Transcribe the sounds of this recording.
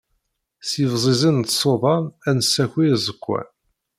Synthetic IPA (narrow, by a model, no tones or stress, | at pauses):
sivzˤizˤənt̪sˤoðˤɑnænəsːæçizəkʷːæ̰n